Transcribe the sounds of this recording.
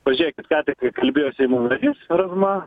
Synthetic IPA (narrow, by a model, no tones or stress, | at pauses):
ʋɐʒʲiːjɛkʲɪt̪kɑːt̪ʲɪkɐkɐlʲbʲeːjoːsʲɛɪmunɐɾʲiːsɾɐzmɑ